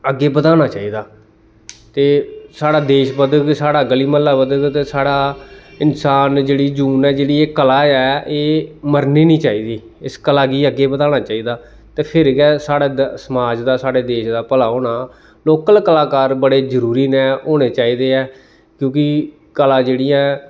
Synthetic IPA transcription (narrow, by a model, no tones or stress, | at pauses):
əɡːeːbəd̪aːɽ̃aːt͡ʃaːiːd̪aː | t̪eːsaːɽaːd̪eːʃbəd̪əksaːɽaːɡəliːməlːaːbəd̪ət̪eːsaːɽaːɪnsaːnd͡ʒeːɽiːd͡ʒuːnɛːd͡ʒeːɽiːeːkəlaːɛːʔeːməɾniːnĩːt͡ʃaːiːd̪iː | ɪskəlaːɡiːəɡːeːbət̪aːnaːt͡ʃaːiːd̪aː | t̪eːpʰɪɾɡɛːsaːɽaːsəmaːd͡ʒd̪aːsaːɽeːd̪eːʃd̪aːpəlaːɦoːɽaː | loːkəlkəlaːkaːɾbəɽeːd͡ʒəɾuːɾiːnɛ̃ːoːɽeːt͡ʃaːiːd̪eːɛː | kjõːkɪ | kəlaːd͡ʒeːɽiːɛ̃ː